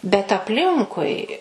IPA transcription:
bʲɛt ɐpʲˈlʲɪŋkʊɪ

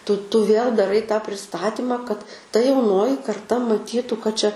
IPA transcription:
tʊ tʊ ʋʲeːlˠ dɐˈrɐɪ tɑː pʲrʲɪˈstɑːtʲɪmɐ kɐt tɐ jɛʊˈnoːjɪ kɐrˈtɐ mɐˈtʲiːtʊ kɐt ˈt͡ʃʲɛ

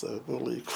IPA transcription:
ˈsɑːʋoː ˈlˠɐɪkʊ

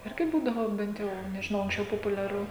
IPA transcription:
ˈɪrʲɡʲɪ ˈbuːdɐʋoː ˈbʲɛnt jɛʊ nʲɛʒʲɪˈnɐʊ ɐŋksʲˈt͡ʃʲɛʊ poːpʊlʲɛˈrʊ

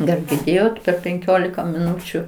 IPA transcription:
ɡɐlˠ ɡʲɪrʲˈdʲeːjoːt pʲɛr pʲɛŋʲˈkʲoːlʲɪkɐ mʲɪˈnʊt͡ʃʲʊ

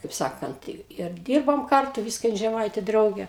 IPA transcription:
kɐɪp ˈsɑːkɐnt ɪr ˈdʲiːrboːm ˈkɐrtʊ ˈʋʲiːskɐ ˈjɪn ʒʲɛˈmɐɪtʲeː ˈdrɐʊɡʲeː

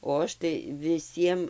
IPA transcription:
oː ˈɐʃ tɐɪ ʋʲɪˈsʲiɛm

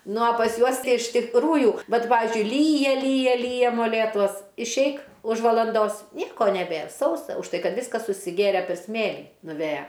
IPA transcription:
ˈnʊ oː pɐs ˈjuɔs ˈtɐɪ ɪʃ tʲɪkˈruːjʊ ˈʋɐt ˈpɑːʋʲɪzʲd͡ʒʲʊɪ ˈlʲiːjɛ ˈlʲiːjɛ ˈlʲiːjɛ moːˈlʲeːtuɔs ɪʃʲˈɛɪk ʊʃ ʋɐlˠɐnˈdoːs ˈnʲiɛkoː nʲɛˈbʲeːr ˈsɐʊsɐ ʊʃ ˈtɐɪ ˈkɐt ˈʋʲɪskɐs sʊsʲɪˈɡʲeːrʲɛ pʲɛr ˈsʲmʲeːlʲiː nʊˈʋʲeːjɛ

